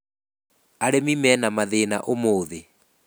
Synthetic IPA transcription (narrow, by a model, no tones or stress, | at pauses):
aɾemimɛːnamaðeːnaʔomoːðe